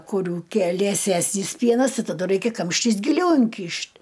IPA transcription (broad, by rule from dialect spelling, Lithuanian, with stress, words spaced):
kʊˈrʲuː ˈkʲiɛ lʲiɛˈsʲæːsʲnʲiːs ˈpʲiɛnɐs ˈtɐɪ tɐˈdʊ ˈrɐɪkʲɛ ˈkɐmʲʃʲtʲɪs ɡʲɪˈlʲɛʊ ɪŋʲˈkʲiːʃʲtʲ